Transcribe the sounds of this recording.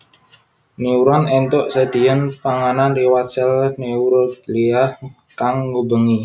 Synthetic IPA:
niuɾɔnɛnt̪ɔʔsəd̪̥iənpaŋananriwat̪sɛlniuɾɔt̪liah | kaŋɡubəŋi

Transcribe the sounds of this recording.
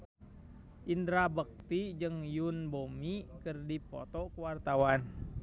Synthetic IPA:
ʔindɾabək̚t̪id͡ʒɨŋjunbomikɨrdipɔ̰t̪ɔkəwart̪awan

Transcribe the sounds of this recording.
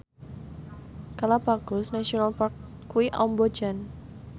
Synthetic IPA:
kalapaɡ̥ɔ̤snaʃionalpark | kːuwiʔɔmbɔ̥d͡ʒan

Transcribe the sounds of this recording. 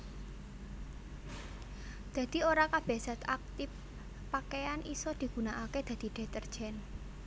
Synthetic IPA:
d̪̥ä̤d̪̥i̤oɾakab̥ɛsat̪ak̚t̪ɪf | pːakejanʔisɔd̪̥i̤ɡ̥ṳnaʔaked̪̥ä̤d̪̥i̤d̪̥e̤t̪ərd̥ʒ̥ɛn

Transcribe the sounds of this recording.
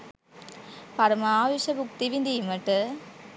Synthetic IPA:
pɐɾmaːʋɪʂɐbʊk̚t̪iʋind̪iːmɐʈːɯ

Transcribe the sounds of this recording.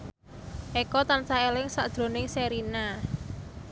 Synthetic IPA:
ʔɛkɔt̪ansaelɪŋsad̪̥ɾo̤nɪŋseɾina

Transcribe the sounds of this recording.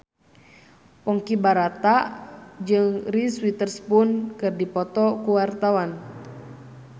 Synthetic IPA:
pɔŋkibaɾat̪ad͡ʒɨŋriswit̪ərspunkɨrdipɔt̪ɔkuwart̪awan

